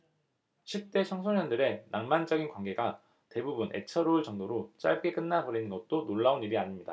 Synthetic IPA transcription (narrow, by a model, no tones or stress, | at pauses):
ɕʰip̚t͈e̞t͡ɕʰʌŋsʰoɲʌndɯɾe̞naŋmand͡ʑʌɡinkwanɡe̞ɡa | te̞bubunʔe̞t͡ɕʰʌɾoɯɭt͡ɕʌŋdoɾot͡ɕ͈a̰ɭ̚k͈e̞k͈ɯnːabʌɾinɯnɡʌt̚t͈onoɭːaoniɾiaɲimɲida